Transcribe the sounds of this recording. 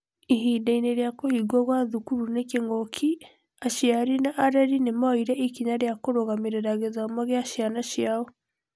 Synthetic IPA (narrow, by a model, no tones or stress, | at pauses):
iɦidaineɾjakohiɡwɔɣwaðukuɾunekeŋɔkʰi | aʃiaɾinaʔaɾɛɾinemaiɾɛʔikiɲaɾjakoɾoɣamiɾeɾaɣezamaɣeaʃjanaʃjaɔ